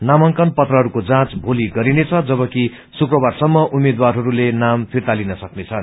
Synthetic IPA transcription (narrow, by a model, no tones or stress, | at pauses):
namʌŋkʌnpʌt̪rʌɦʌɾukod͡zãt͡sbʱoliɡʌɾinet͡sʰʌd͡zʌbʌki | sukrʌbarsʌmːʌʔumed̪warɦʌɾulenampʰirt̪alinʌsʌknet͡sʰʌn